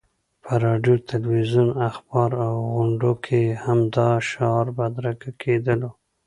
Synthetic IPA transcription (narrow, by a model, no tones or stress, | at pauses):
pʰəɾɑɖjot̪alwizunaxbɑɾawɣʊɳɖokʰehamd̪ɑʃɑɾbad̪ɾakakʰed̪əlo